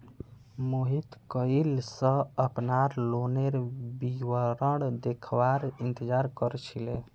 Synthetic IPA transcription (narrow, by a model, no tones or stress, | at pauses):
moɦit̪kəilsə̃əpnaɾloneɾbiwəɾəɽd̪ekʰʋaɾint̪əd͡ʒaɾkəɾt͡ʃʰile